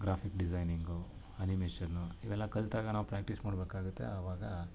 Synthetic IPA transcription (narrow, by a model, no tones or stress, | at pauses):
ɡɾaːpʰikɖid͡ʒɐjniŋɡu | ɐnimeːʃɐnːuiʋɛlːɐkɐlt̪aːɡɐnaːʋupɾaːk̚ʈismaːɽbeːkaːɡut̪ːe̞̰ɐʋaːɡɐ